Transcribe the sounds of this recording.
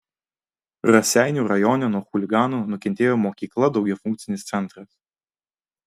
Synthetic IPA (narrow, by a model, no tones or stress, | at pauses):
ɾɐsʲæˑɪnʲuːɾɐjɔnʲɛnuɔxʊlʲɪɡɑːnoːnʊkʲɛnʲt̪ʲeːjoːmoːkʲiːklˠɐd̪ɒʊɡʲɛfʊŋk̚t̪sʲɪnʲɪst̪sʲɛnt̪ɾɐs